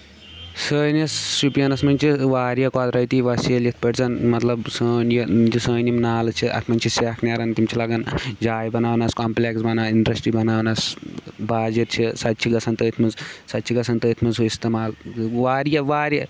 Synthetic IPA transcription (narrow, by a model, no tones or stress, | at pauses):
səːnɐsːupijɐnɐsmɐnʲt͡ʃʰiʋaːɾjɐkaːd̪ɾɐjt̪iʋɐsiɐljɐt̪ʰpɐʈt͡sɐnmɐt̪lɐbsəːnjɐd͡ʒisəːnimnaːlt͡ʃʰiʔɐ̰t̪ʰmɐnʲt͡ʃʰiseːkʰneɾɐnt̪imt͡ʃʰilɐɡɐnd͡ʒaːjbɐnaːwnaskoːmpleksbɐnaːiɳɖɾɐsʈɾibɐnaːwnasbaːd͡ʒɐt̪t͡ʃʰisɐt̪ːt͡ʃʰiɡɐsʰɐnt̪əːt̪ʰmɐzsɐt̪ːt͡ʃʰiɡɐsʰɐnt̪əːt̪ʰmɐzɦuist̪emaːlʋaːɾjɐʋaːɾjɐ